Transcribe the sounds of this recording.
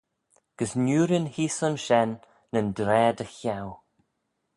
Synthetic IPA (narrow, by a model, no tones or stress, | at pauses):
ɡ̥əsnjuːɾɪnhiːsənʃɛnː | əndɾɛːd̪əxaw